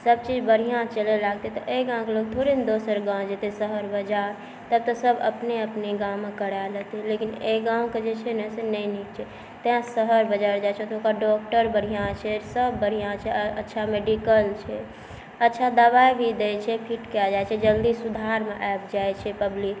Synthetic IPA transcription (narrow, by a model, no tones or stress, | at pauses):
səb̚t͡ʃid͡ʒbəɾ̤ijãt͡ʃəlelaɡ̚t̪et̪ɔʔeɡãw̃kelok̚d̪ʱoɾind̪osəɾɡãd͡ʒet̪esəɦəɾbəd͡ʒaɾ | t̪əb̚t̪ɔsəbə̰pneəpneɡãmːekəɽalet̪ilekineɡãw̃ked͡ʒet͡ʃʰɛnəsenəinikt͡ʃʰɛ | t̪eãsəɦəɾbəd͡ʒaɾd͡ʒajt͡ʃʰɛt̪okaɖɔk̚ʈəɾbəɽ̤ijãt͡ʃʰɛsəbːəɽ̤ijãt͡ʃʰɛətːʃʰameɖikəlt͡ʃʰɛ | ətːʃʰad̪aʋajbʱid̪et͡ʃʰɛpʰiʈkad͡ʒajt͡ʃʰɛd͡ʒəld̪isud̪ʱaɾmeʔɛp̚d͡ʒajt͡ʃʰɛpəblik